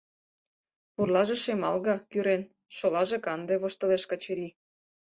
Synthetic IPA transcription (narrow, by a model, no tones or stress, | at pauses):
purlɑʒeʃemɑlɣɑkyɾen | ʃolɑʒekɑnd̪eβoʃt̪ə̆leʃkɑt͡ɕeɾi